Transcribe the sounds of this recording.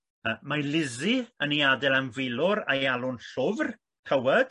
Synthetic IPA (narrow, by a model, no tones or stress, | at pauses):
əmalɪziəniadɛlˠanvɪlʊɾa̰jalˠʊnɬʊvr | kʰəwɛd̥